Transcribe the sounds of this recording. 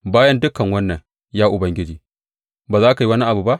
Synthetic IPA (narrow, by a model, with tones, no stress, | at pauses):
baː˦jɐ˦ndʊ˦kɐ˨ŋwɐ˦nːɐ˨ŋ | jaː˦ʔʊ˨bɐ˦ŋɡʲɪ˦d͡ʒiː˨ | baː˨zaː˦ka˨jwɐ˦ni˦ʔa˨bu˨ba˦ʔ